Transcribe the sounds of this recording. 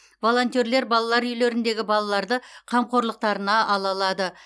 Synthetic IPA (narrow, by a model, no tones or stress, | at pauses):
vo̞lˠo̞nt̪ʲie̞ɾle̞ɾbɑlˠɑlˠɑɾʏjle̞ɾɪnd̪e̞ɡʲɪbɑlˠɑlˠɑɾd̪əqʰɑmqʰo̞ɾlˠəq̚t̪ɑɾənɑɑlˠɑlˠɑd̪ə